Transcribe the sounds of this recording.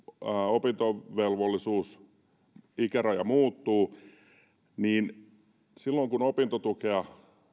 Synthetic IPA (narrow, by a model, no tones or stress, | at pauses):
opint̪oʋelʋolːisuːs | ikærɑjɑ̰muːt̪ːuː | niːn | silːoŋkunopint̪ot̪ukeɑ